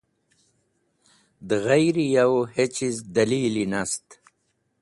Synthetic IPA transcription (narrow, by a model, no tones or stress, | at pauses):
d̪əɣajɾijawhet͡ɕizd̪ɐliːlinast̪